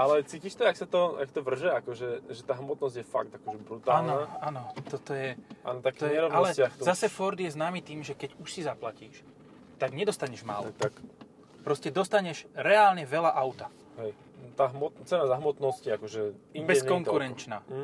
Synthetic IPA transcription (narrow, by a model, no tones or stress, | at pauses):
ʔalɛt͡siːciʃt̪ɔaksat̪ɔa̰kt̪ɔʋr̩ʒɛakɔʒɛʒɛt̪aːɦmɔt̪nɔzɟjɛfaɡ̚t̪akɔʒɛbɾut̪aaːlnɔaaːnɔt̪ɔt̪ɔjɛʔa̰ːnɔt̪akiɛɾɔʋalɛkt̪ɔzasɛfɔɾd̪jɛznaːmit̪iːmʒɛkɛɟuʃsizaplaciːʃ | t̪aɡɲɛd̪ɔst̪aɲɛʒma̰ːlɔt̪ak | pɾɔscɛd̪ɔst̪aɲɛʒɾɛaːlɲɛʋɛlaʔaʊt̪a | ɦɛj | t̪aɦmɔt̪t͡sɛnazaɦmɔt̪nɔsciakɔʒɛibɛɛskɔŋkuɾɛnt͡ʃnaː